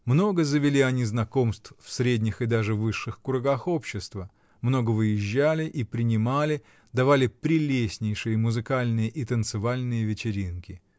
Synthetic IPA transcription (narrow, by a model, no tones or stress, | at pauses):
mno̞ɡəzəvʲɪlʲiɐnʲiznɐko̞mst̪ffsɾʲedʲnʲɪxɨd̪aʐɨvɨʂːɨxkʊɾɐɡaxo̞pɕːɪst̪və | mno̞ɡəvɨjɪʑːælʲɪʔipɾʲɪnʲɪmalʲɪ | d̪ɐvalʲɪpɾʲɪlʲesʲnʲɪjʂɨjəmʊzɨkalʲnɨjəʔit̪ənt̪sɨvalʲnɨjəvʲɪt͡ɕɪɾʲinkʲɪ